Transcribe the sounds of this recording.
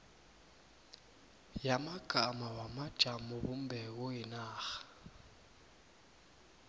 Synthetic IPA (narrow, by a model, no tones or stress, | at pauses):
jamaɡ̥ʱamawamad̥ʒ̥ʱamɔbum̩bʱɛk̬ɔjinaːxḁ